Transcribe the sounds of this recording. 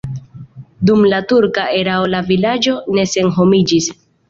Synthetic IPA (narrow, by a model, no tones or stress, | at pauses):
dumlatuɾkaʔe̞ɾaolavilad͡ʒo̞ne̞se̞nɦo̞mid͡ʒis